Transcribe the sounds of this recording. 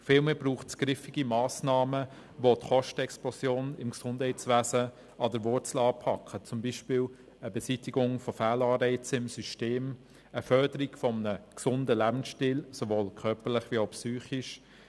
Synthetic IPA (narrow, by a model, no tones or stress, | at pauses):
fiːlmeːbruːχtsɡ̥ɾɪfɪɡ̥imaːsnɑːmə | votχɔʃtəɛksplɔsjoːnɪmksʊnd̥hɛɪtt͡sʋæːzə | ʔɑdəɾvʊɾt͡sl̩ɑːpʰɑkʰχət͡sʊmbiːʃpiːl | əbɛsitiɡʊŋfɔfæːlɑːɾɛɪt͡səɪmsyʃteːm | əfœɾdəɾiɡ̥fɔmənəksʊndəlæbn̩sʃtiːlsovoːlkʰœɾpəlɪχviːaʊpsyːχiʃ